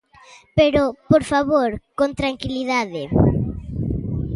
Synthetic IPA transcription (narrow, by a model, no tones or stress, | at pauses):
peɾopoɾfaβoɾkont̪ɾaŋkiliðaðɪ